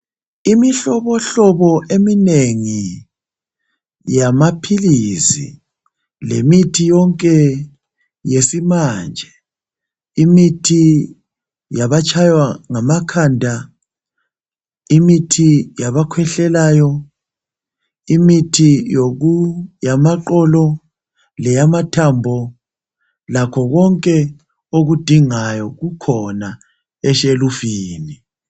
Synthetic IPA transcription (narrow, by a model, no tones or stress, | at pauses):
imiɬɔβɔɬɔβɔʔemineŋi | jamapʰilisḭ | lḛmitʰijɔŋkʼɛ | jesimaːnd͡ʒʱɛ | imitʰi | jaβat͡ʃʰʼajwaŋamakʰandʱa | imitʰijaβakʰwɛɬɛlajɔ | imitʰijoɣujamaǃɔlɔ | lɛjamatʰambʱɔ | lakʰɔɣɔŋkʼɛ | oɣud̥ʱiŋajɔɣukʰɔna | ɛʃelufiːni